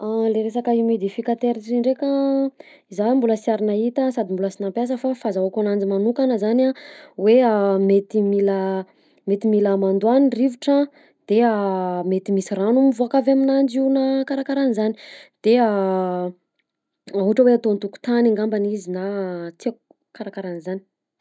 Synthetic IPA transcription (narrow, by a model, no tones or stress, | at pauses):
aleɾesakaimed̪ifikat̪eɾiiɳɖ͡ʐekə | izambuləsaɾinait̪əsad̪imbuləsinampjas̬əfafazaakʲanand͡zimanukanəzanaweamet̪imila | met̪imilamand̪uanirivuʈ͡ʂə | d̪̥eamet̪imisiranumivoakavaminand͡ʒinakaɾakaɾanizani̥d̪̥ea | auʈ͡ʂəweat̪ont̪uku̥t̪anaŋɡambanizinat͡se | kaɾakaɾanizani̥